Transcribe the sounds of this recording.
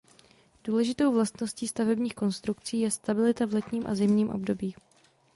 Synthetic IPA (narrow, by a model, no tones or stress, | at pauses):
d̥uːlɛʒɪt̪o̞wvlast̪no̞sciːst̪avɛbɲiːxko̞nst̪ɾukt͡siːjɛst̪abɪlɪt̪avlɛt̪ɲiːmʔa̰zɪmɲiːmʔo̞̰bdo̞biː